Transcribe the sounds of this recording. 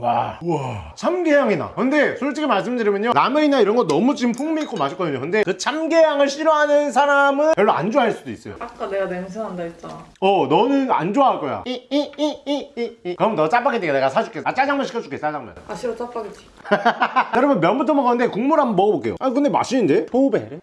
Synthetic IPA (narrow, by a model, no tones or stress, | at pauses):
wauat͡ɕʰamɡejaŋina̰kɯnde̞sʰut͡ɕ͈ikʰemaɭs̬͈ɯmdɯɾimjʌɲonameinaiɾʌnɡʌnnʌmut͡ɕimpʰuŋmik͈ʰomaɕʰiɭk͈ʌdɯɲo̰kɯnde̞kɯt͡ɕʰamɡe̞jaŋɯɭɕ͈iɾoɦanɯns̬ʰaɾamɯnkjʌɭːoa̰nd͡ʑoaɦaɭs͈udouis͈ʌjo̰ak͈aneɡaneŋs̬ʰɯŋɦandait͡ɕ͈aʌnʌnɯna̰nd͡ʑoaaɭk͈ʌja̰iiiikɯʌmɯnʌt͡ɕ͈ap͈aɡed͡ʑeɡneɡasʰad͡ʑuk͈ʰeat͡ɕ͈ad͡ʑaŋmaɕʰikʰʌt͡ɕukʰet͡ɕ͈ad͡ʑaŋma̰naɕʰiɾot͡ɕ͈ap͈aɡet͡ɕ͈i̥ | jʌɾʌmjʌnmjʌnbutʰʌmʌɡanɯnde̞kuŋmuɾamʌnmʌɡʌbok͈e̞jo̰akɯnd̪e̞ma̰ɕʰinɯnde̞tobeɾe